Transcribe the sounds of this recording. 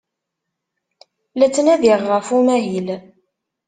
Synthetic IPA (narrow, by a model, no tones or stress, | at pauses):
læt͡sːənæðiʁːəfumæɦil